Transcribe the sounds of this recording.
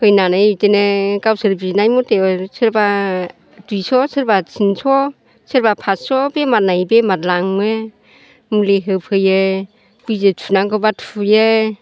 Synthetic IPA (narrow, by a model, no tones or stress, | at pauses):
hɯjnanajitenekawsɯɾbinajmɔtesɯɾba | dujsɔsɯɾbasʰinsɔ | seɾbapʰasɔbemat̚najbematlaŋme | muleɦɯpʰɯje | b̥izetʰunaŋɡɯbatʰuje